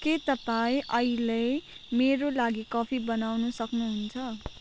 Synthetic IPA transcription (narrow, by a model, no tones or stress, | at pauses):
ket̪ʌpaĩʔʌilejmeɾolaɡikʌpʰibʌnawnusʌknuɦunt͡sʰʌ